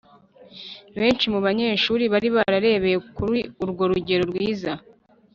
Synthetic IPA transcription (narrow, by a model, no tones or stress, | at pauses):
βe̞ːnt͡ʃimuβaɲe̞ːʃuːɾiβaɾiβaɾaɾe̞ːβejekuɾiuɾɡo̞ɾuɟe̞ɾoɾɡwiːza